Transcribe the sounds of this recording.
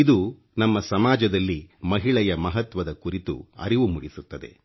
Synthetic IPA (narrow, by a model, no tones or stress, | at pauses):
id̪u | nɐmːɐsɐmaːd͡ʒɐd̪ɐlːimɐɦiɭɛjɐmɐɦɐt̪ʋɐd̪ɐkuɾit̪ṵɐ̰ɾiʋumuɽisut̪ːɐd̪e̞̰